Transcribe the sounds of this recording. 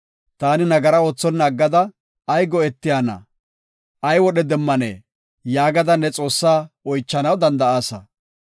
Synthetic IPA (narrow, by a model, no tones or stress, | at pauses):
t̪aːnɪnɐɡɐɾɐoːt͡sːɔnːɐːɡːɐd̪ɐː | jɡɔɛt̪ːɪjaːnɐ̰ | ʔɐjwɔɗɛd̪ɛmːɐnḛː | jaːɡɐd̪ɐnːɛt͡sʼo̞ːsːaːɔjt͡ʃːɐnɐwd̪ɐnd̪ɐaːsɐ̰